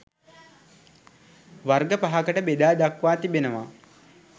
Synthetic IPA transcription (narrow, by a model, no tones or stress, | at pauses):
ʋarɡəpaɦakəʈəbed̪aːd̪akʋaːt̪ibenəʋa